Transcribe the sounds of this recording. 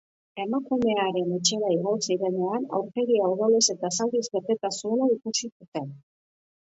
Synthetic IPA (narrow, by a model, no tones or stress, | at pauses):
e̞makume̞aɾe̞ne̞t͡ʃe̞ɾaiɣ̞o̞siɾe̞ne̞ana̰wɾke̞ɣiawðolese̞t̪asald̪izβe̞t̪e̞t̪asuenaikusisut̪e̞n